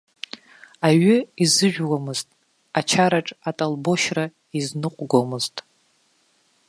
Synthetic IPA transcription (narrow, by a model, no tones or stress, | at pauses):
aɥʏizɨʒᶣwamɨztʼ | at͡ʃʰaɾaʈ͡ʂʼatʼalbo̞ʃra | iznɨqʷʼɡʷomɨztʼ